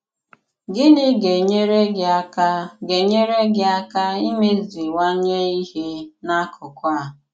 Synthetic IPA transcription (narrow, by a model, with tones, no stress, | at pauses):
ɡɪ˦nɪ˦ɡe˨ɲe˦ɾe˦ɡa˦kɡe˨ɲe˦ɾe˦ɡɪ˦˨a˦ka˦i˦me˦zi˨wa˦ɲe˦i˦ɦe˦na˦kʰʊ˨kʷa˦˨